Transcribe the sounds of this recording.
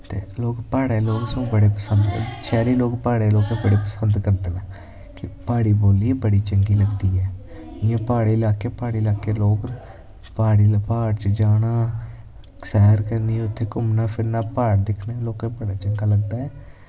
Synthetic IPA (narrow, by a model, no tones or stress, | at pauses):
t̪ḛːloːkpaːɽeːloːksõbəɽeːpəsənd̪̰ʃɛːɾiːloːkpaːɽeːloːkẽːbəɽeːpəsənd̪kəɾd̪elaː | kɪpaːɽiːboːliːbəɽiːt͡ʃəŋɡiːləɡd̪iːɛː | ɪjãːpaːɽeːlaːkeːpaːɽiːlaːkeːloːkː | paːɽiːləpaːt͡ʃd͡ʒaːnaː | ksɛːɾkəɾniːʊt̪ʰːeːkʊmnaːpʰɪɾnaːpaːɽd̪ɪkʰneːloːkẽːbəɽaːt͡ʃəŋɡaːləɡd̪aːɛː